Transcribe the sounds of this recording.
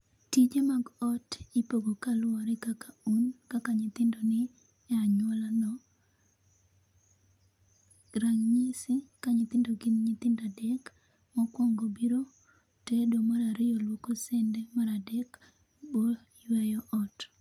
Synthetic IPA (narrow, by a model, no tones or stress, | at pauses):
tid͡ʒemaɡɔtipoɡokalʊɔɾɛkakaunkakaɲɪt̪ɪndɔnɪ | ɛaɲwɔlanɔ | ɾaŋɲisikaɲɪt̪ɪndoɡɪnɲɪt̪ɪndadɛk | mɔkwɔŋɡobiɾo | tedomaɾaɾɪjɔlwokɔsɛndɛmaɾadɛk | bo | jwɛjɔʔɔt